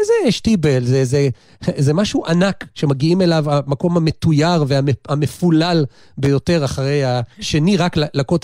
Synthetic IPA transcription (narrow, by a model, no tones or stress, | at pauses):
ezeʃtibelzeze | zemaʃuʔanakʃe̞maɡiime̞lavamako̞mhame̞tujaʁveahame̞fulal | be̞jo̞te̞ʁaχaʁe̞jaʃe̞niʁaklalakot